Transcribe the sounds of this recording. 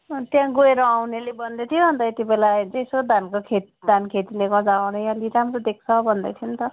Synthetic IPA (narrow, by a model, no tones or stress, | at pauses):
t̪jãɡoeɾʌawnelebʌnd̪et̪ʰiõɦʌnt̪ʌet̪ibelajd͡zʌj̃sod̪ʱankokʰe | d̪ʱankʰet̪ileɡʌd͡zawnʌjʌliɾamrod̪ek̚t͡sʰʌbʱʌnd̪ʌ̰t̪ʰjint̪ʌ